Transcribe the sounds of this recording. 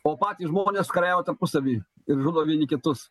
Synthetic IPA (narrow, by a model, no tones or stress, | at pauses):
oːpɑːt̪ʲiːsʒmoːnʲeːskɐɾʲæːʋoːt̪ɐɾpʊsɐʋʲiː | ɪɾʒʊd̪oːʋʲiɛnʲikʲɪt̪ʊs